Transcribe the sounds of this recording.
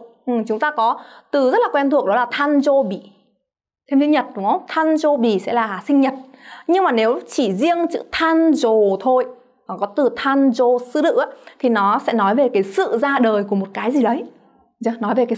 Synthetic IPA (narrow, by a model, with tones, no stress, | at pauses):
ʔɨ˨˩mt͡ɕʊ˨˦ŋ͡mt̪aː˧kɔ˨˦t̪ɨ˨˩zə˦˥t̚la˨˩kwɛ˧nt̪ʰu˨˩ək̚ɗɔ˨˦laː˨˩t̪ʰaː˧nzo˧ɓi˧˩˨ | t̪ʰe˧mi˧˦ɲə˨˩t̚ɗŋ͡mt̪ʰaː˧nzo˧ɓi˧˩˨sɛ̰˧˥laː˨˩sï˧ŋ̟ɲə˨˩t̚ɲɨ˧ŋmaː˨˩ne˨˦wt͡ɕi˧˩zi˧əŋt͡ɕɨ̰˧˥t̪ʰaː˧nzo˨˩t̪ʰo˧jː | kɔ˨˦t̪ɨ˨˩t̪ʰaː˧nzo˧˩sɨ̰˧˥lɨ̰˧˥ʔaː˨˦t̪ʰi˨˩nɔ˨˦sɛ̰˧˥nɔ˨˦jve˨˩kaː˨˦jsɨ̰˧˨zaː˧ɗəː˨˩jku˧˩mo˨˩t̚kaː˨˦jzi˨˩ɗə˨˦j | za˧˦nɔ˨˦jve˨˩kaː˨˦